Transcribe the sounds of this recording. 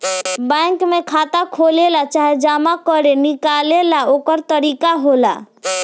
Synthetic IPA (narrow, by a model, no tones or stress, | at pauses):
bɛ̃ŋkmẽkʰat̪akʰolelat͡ʃaɦed͡ʒamakɔɾenikalelaokɔɾt̪ɔɾikaɦola̰